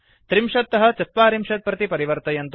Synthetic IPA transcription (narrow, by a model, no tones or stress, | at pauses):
t̪ɾimʃɐt̪ːɐɦɐ̆t͡ʃɐt̪̚paːɾimʃɐt̪̚pɾɐt̪ipɐɾiʋɐɾt̪ɐjɐnt̪